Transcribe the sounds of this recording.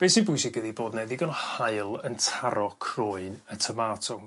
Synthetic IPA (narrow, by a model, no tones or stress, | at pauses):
b̥eːsibʊjsɪkʰəðiboːdnɛðɪɡɔnhaɨlˠəntʰaɾɔkʰrʊɨnətʰəmaːtʰɔm